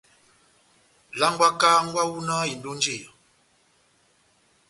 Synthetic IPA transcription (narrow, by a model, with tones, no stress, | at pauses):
la˦ŋ˦ɡwa˦kaː˦ŋ˦ɡwa˦wu˦na˦i˨n˨do˦n˦d͡ʒe˦˨